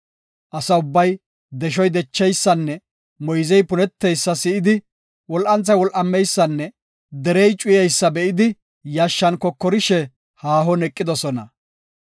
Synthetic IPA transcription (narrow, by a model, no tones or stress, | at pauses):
ʔɐsɐʊbːɐj | d̪ɛʃ̬ɔjd̪ɛt͡ʃːɛjsːɐnːɛ | mɔjzɛjpʊnɛt̪ːɛjsːɐsɪɪd̪ɪ | wɔlʔɐnt͡sːɐjwɔlʔɐmːɛjsːɐnːɛ | d̪ɛɾɛjt͡ʃʼʊjɛjsːɐbɛʔɪd̪ɪ | jɐʃːɐnkɔkːɔɾɪʃɛ | haːɦɔnɛkʼːɪd̪ɔsɔnɐ̰